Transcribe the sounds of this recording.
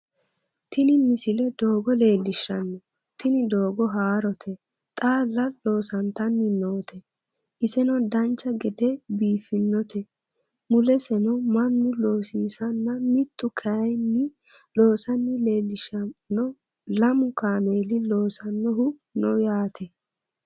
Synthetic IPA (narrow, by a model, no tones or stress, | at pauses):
t̪ɪnɪmɪsɪlɛd̪o̞ːɡɔle̞ːlːɪʃːɐnːɔ | t̪ɪnɪd̪o̞ːɡɔɦaːɾɔt̪ʰɛ | t̪ʼaːlːɐlo̞ːsɐnt̪ɐnːɪnoːt̪ʰɛ | ʔɪsɛnɔd̪ɐnt͡ʃːɐɡɛd̪ɛbiːfɪnːɔt̪ɛ | mʊlɛsɛnɔmɐnːʊlo̞ːsiːsɐnːɐmɪt̪ːʊkʰɐɐjnːɪ | lo̞ːsɐnːɪle̞ːlːɪʃɐnːɔ | lɐmʊkaːmeːlɪlo̞ːsɐnːɔɦʊnɔjaːt̪ʰɛ